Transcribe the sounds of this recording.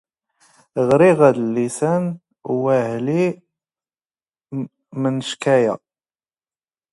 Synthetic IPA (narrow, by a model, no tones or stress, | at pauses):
ʁɾiʁæðəlːisæn | wæʕli | mənəʃkæjæ̰